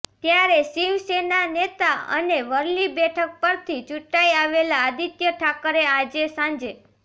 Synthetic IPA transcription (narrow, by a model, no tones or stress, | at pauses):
t̪jaɾesiʋsenanet̪aə̰neʋəɾlibɛʈʰək̚pəɾt̪ʰit͡ʃuʈaiaʋelaːd̪it̪jəʈʰakəɾead͡ʒesãɲd͡ʒe